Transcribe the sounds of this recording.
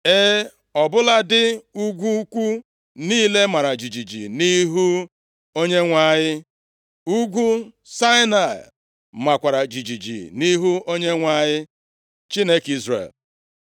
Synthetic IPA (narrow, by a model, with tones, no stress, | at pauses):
e˦ | ɔ˨bʊ˦la˦dɪ˦u˦ɡʷu˦kʷu˦ | niː˦le˦ma˨ɾa˨d͡ʒi˨d͡ʒi˨d͡ʒḭ˨ni˦ɦu˦ | o˦ɲe˦ŋʷa˦˨ɲɪ˦ | u˦ɡʷu˦ | sa˦ɪ˦na˨ɪ̰˨ | ma˨kʷa˨ɾa˨d͡ʒi˨d͡ʒi˨d͡ʒḭ˨ni˦ɦu˦o˦ɲe˦ŋʷa˦ɲɪ˦ | t͡ʃi˦ne˦ki˦zrḛ˨l